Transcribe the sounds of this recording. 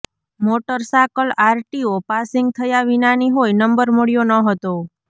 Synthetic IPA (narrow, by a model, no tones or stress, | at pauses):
moʈəɾsakəlaɾʈiopasɪŋɡ̚t̪ʰəjaʋinaniɦojnəmbəɾməɽjonəɦət̪o